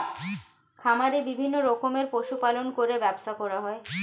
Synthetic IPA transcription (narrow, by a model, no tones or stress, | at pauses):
kʰamaɾibibʱinːoɾɔkomeɾpoʃupalonkoɾebɛbʃakɔɾaɦɔe